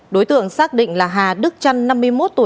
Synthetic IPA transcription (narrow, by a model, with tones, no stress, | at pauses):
ɗo˨˦jt̪ɨ̰˧˨əŋsaː˦˥k̚ɗḭ˧˨ŋ̟laː˨˩ɦaː˨˩ɗɨ˦˥k̚t͡ɕa˧nːa˧mːɨ˧əjmo˦˥t̚t̪u˧˩